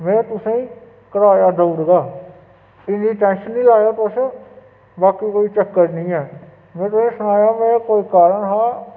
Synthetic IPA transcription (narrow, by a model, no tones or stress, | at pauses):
mɛ̃ːt̪ʊsẽːĩː | kəɾaːjaːd̪əʊɾɡaː | ɪnĩːʈɛ̃ːnʃənːĩːlaːjaːt̪os | baːkiːkoːiːt͡ʃəkːəʈnĩːɦɛː | mɛ̃ːt̪ʊsẽːsʊɽ̃aːjaːmɛ̃ːkoːiːkaːɾəɳɦaː